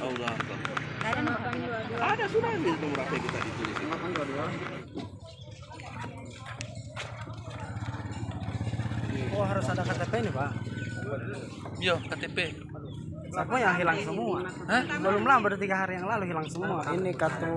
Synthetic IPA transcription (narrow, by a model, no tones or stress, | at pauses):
ɔlaa̰a | adasunaimaŋuɾapakit̪adit̪ulismaad͡ʒuadua | ɔɦaɾusadakat̪epɛiniba | jɔkat̪epɛ | sapuŋjaŋɦilaŋsəmua | ɛbəlumlambədut̪iɡaɦaɾijaŋlaluɦilaŋsəmuaʔinikat̪u